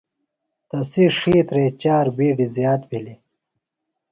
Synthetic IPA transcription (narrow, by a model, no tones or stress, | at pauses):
t̪ɐsiʂiːt̪ɾeːt͡ɕaːɾbiːɖizjaːt̪̚bʱili